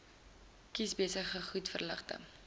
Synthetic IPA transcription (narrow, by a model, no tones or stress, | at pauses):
kisbiəsəχəχutfərləχtə̰